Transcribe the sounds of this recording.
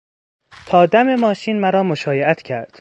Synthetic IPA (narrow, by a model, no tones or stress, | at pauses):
t̪ʰɒːd̪æme̞mɒːʃiːnmæɾɒːmo̞ʃɒːjeʔæt̪ʰcʰæɾd̪̥